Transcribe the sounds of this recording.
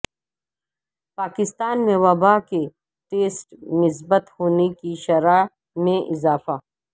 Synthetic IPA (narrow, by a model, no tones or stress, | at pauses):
paːkɪst̪aːnmẽwɐbaːke | ʈeːsʈnɪsbət̪hoːnekiʃɐɾa | mẽʔɪzaːfaː